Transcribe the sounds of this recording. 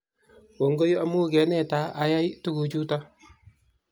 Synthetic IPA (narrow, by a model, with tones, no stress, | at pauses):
wo˨ŋɡo˦jo˦a˦mu˦ɡɛ˨˦nɛ˦˨ta˨˦ʔa˨ja˦jtu˦ɡu˨d͡ʒu˦ta˦